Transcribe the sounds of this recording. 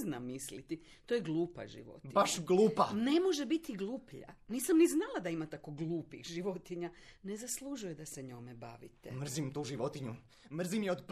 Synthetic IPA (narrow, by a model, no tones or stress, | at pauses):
znamːislit̪it̪ojeɡlˠuːpa̰ʒḭʋo̰t̪ibaʃɡluːpane̞mo̞ʒebit̪iɡlˠuːpʎa̰niːsamniznalˠad̪aimat̪akoɡlˠuːpixʒiʋot̪iɲane̞zaslˠuʒujed̪ase̞ɲo̞meba̰ːʋḭt̪ḛmr̩zimt̪uːʒiʋo̞t̪iɲu | mr̩zimjeod̪p